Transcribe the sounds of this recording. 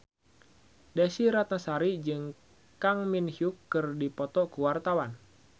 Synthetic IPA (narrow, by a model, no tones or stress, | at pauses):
dɛsiɾat̪nasaɾid͡ʒɨŋ | kaŋminhiukːɨrdipɔt̪ɔkuwart̪awan